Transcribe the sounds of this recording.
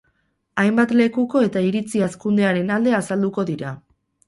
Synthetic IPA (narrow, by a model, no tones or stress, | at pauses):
ajmbat̪le̞kuko̞e̞t̪aiɾit͡siaskund̪e̞aɾe̞nald̪e̞asald̪uko̞ðiɾa